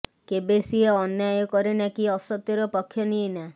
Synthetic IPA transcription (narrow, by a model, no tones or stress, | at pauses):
kebesieɔnjajɔkɔɾenakiɔsɔt̪jɔɾɔpɔkʰːjɔniena